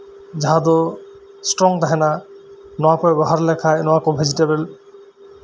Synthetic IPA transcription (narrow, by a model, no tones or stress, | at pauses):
d͡ʑaɦad̪o | sʈɾɔŋd̪aɦenanɔapɔebɔɦaɾlɛkʰajnɔakobʱed͡ʑiʈebel